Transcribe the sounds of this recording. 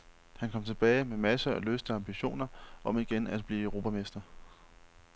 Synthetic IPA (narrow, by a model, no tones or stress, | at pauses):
hænkʰɒ̽m̰t͡sʰe̝b̥ɛːɪmemæsəɒløsd̥əɑ̈mb̥iɕo̝̰ːnɐʔɒ̽miɡ̥enæd̥b̥liːøʊʁo̝ːbpʰæme̝sd̥ɐ